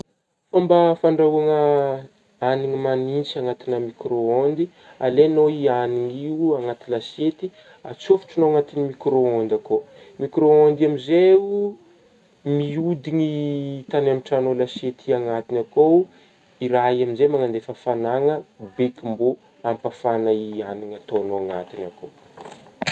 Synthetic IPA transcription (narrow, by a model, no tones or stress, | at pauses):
fambafaɳɖ͡ʐauaŋə | aniŋimanint͡saŋat̪inəmikroond̪i | alenoianiŋiuaŋat̪ilaset̪i | at͡sofu̥ʈ͡ʂinoaŋat̪inimikɾoond̪ako | mikɾoond̪amizeu | miud̪iŋit̪anamiʈ͡ʂanolaset̪iaŋat̪inako | iɾaɦiaminzemaŋand̪efəfanaŋəbekimbo | ampafanaianiŋat̪onoaŋa̰t̪inakʰo